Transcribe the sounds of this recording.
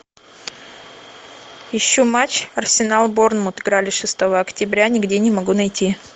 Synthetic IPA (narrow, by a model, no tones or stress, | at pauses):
jɪɕːomat͡ɕɐrsʲɪnalˠbornmʊt̪ɨɡɾalʲɪʂɨst̪ovəɐktʲɪbɾʲanʲɪɡdʲenʲɪmɐɡunɐjtʲi